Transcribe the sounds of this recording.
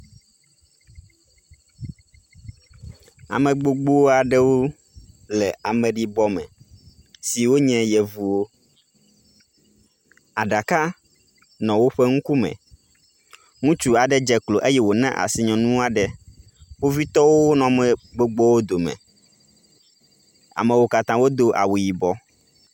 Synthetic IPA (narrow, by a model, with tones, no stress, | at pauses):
a̰˨mɛ̃˨ɡ͡bo˦ɡ͡bo˦wo˦a˨ɖɛ˦wo˦ | lɛ˨a˨mɛ̃˨ɖi˦bɔ˦mɛ̰̃˨ | si˨wo˦ɲɛ̃˦jɛ˨vu˨wo˦ | a˨ɖa˨ka˦ | nɔ̃˨wo˦ɸɛ˦ŋ̩̃˦ku˦mɛ̰̃˨ | ŋũ˦t͡ʃu˦a˨ɖɛ˦d͡ʒɛ˨klo˨ʔe˦jɛ˦wo˨nɛ̰̃˦ʔa̰˨si˨ɲɔ̃˨nũ˦a˨ɖɛ˨ | wo˦vi˦t̪ɔ˦wo˦nɔ̃˨mɛ˨ɡ͡bo˦ɡ͡bɔ˦wo˦d̪o˨mɛ̰̃˨ | a̰˨mɛ̃˨wo˦ka˨t̪ã˦wo˦d̪o˦ʔa̰˨wu˨ji˨bɔ˦